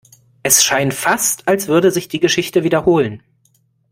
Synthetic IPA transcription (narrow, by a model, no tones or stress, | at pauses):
ʔɛsʃaɪntfastalsv̥ʏɐdəzɪçd̥iːɡəʃɪçtəviːdɐhoːlən